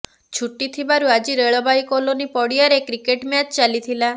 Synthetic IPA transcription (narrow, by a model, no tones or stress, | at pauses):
t͡ʃʰuʈːit̪ʰibaɾuad͡ʒiɾeɭɔbajkolonipɔɽiaɾekɾikeʈmjat͡ʃt͡ʃalit̪ʰila